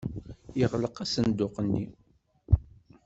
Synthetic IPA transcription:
jəʁləqæsənd̪ʊqənːḭ

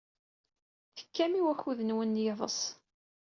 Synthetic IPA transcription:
θə̥kːæmiwæçuðənwənːjeðˤə̰s

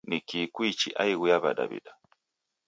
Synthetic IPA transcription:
nikikwit͡ʃiʔa̰iɣujaβa̰ɗa̰βḭda

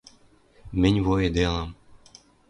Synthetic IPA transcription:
mɘ̆nʲvoed̪elˠɑm

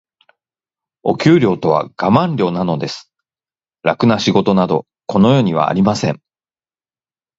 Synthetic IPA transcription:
o̞̰kʲɨːɾʲo̞ːt̪o̞βa̰ɡ̥amãnɾʲo̞ːnano̞d̪e̞sɨ̥ | ɾakɯ̟naɕiɡo̞t̪o̞nad̪o̞̰ | ko̞no̞jo̞ːɲ̟iβ̞a̰ːɾʲimasẽ̞̰ɴ

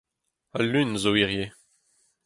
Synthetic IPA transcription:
alynzoiʁje

